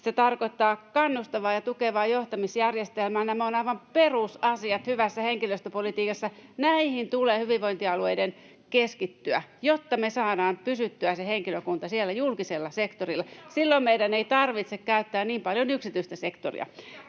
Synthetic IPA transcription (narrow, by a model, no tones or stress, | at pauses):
set̪ɑrkoit̪ːɑːkɑnːust̪ɑʋɑːjɑt̪ukeʋɑːjoht̪ɑmisjærjest̪elmæːnæmonɑiʋɑmperusɑsiɑt̪hyʋæsːæheŋkiløst̪øpolit̪iːkɑsːɑnæihint̪uleːhyʋiʋʋoint̪iɑlueiden | keskit̪ːyæjot̪ːɑmesɑːɾɑːmpysyt̪ːyæseheŋkiløkunt̪ɑsielːæjulkiselːɑsekt̪orilːɑsilːommeidæneit̪ɑrʋit̪sekkæyt̪ːæːnniːmpɑljonyksit̪yist̪æsekt̪o̰rḭɑ̰